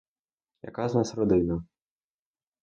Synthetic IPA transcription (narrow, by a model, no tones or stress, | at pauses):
ja̰kaznasɾɔd̪ɪnɐ